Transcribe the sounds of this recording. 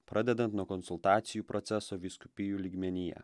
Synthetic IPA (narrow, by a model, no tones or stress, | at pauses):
pɾʔɐd̪ʲɛd̪ɐnt̪nuɔkɔnsʊlˠt̪ɑːt̪sʲɪjuːpɾʔɔt̪sʲɛsoːʋʲiːskʊ̥pʲɪjuːlʲiːɡmʲɛnʲɪjɛ̰